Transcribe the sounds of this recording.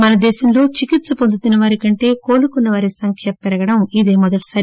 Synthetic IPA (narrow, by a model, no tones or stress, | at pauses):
mɐnɐd̪ɛːʃɐmlo̞ːt͡ʃikit̪sɐpond̪ʱut̪unːɐʋaːɾikɐɳʈe̞ːko̞ːlukunːɐʋaːɾisɐŋkʰjɐpɛɾɐɡɐɽɐmid̪eːmɔd̪ɐʈi̥saːɾ